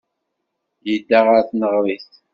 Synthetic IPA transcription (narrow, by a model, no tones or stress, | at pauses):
jəd̪ːaʁəɾθnəʁɾis